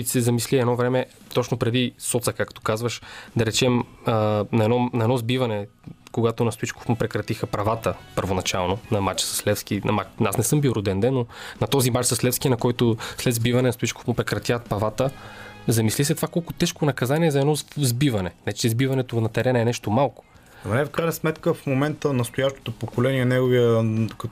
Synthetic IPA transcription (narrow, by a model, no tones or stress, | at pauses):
isɛzɐmisliɛd̪ɔvɾɛmɛ | t̪ɔt͡ʃnopɾɛd̪isɔt̪səkakt̪o̥kazvɐʃd̪ɐɾɛt͡ʃɛmənɐɛd̪ɔnɐɛd̪nɔzbivɐnɛ | koɡat̪onɐst̪ʊit͡ʃko̥fmʊpɾɛkɾɐt̪ixəpɾɐvat̪əpəɾvonɐt͡ʃalˠnonɐmat͡ʃsɐ̥slɛfsk̟inɐmat͡ʃnasnɛsɤmbiɾod̪ɛnd̪ɛnːonɐt̪ɔzimat͡ʃsɐslɛfsk̟ʲinɐkɔjt̪oslɛd̪zbivɐnɛnɐst̪oit͡ʃko̥fmʊpɾɛkɾɐt̪ʲjat̪̚pɐvat̪əzɐmislis̬ɛt̪vakɔlˠkʊt̪ɛʃkonɐkɐzaniɛzɐɛd̪ɔzbivɐnɛnɛt͡ʃɛzbivɐnɛt̪onɐt̪ɛɾɛnɛnɛʃt̪omalˠkʊ̥ | ɐmnɛfkɾajnɐsmɛt̪kəfmomɛnt̪ənɐst̪ojaʃt̪o̥t̪opokolɛniɛnɛɡoviəkɐ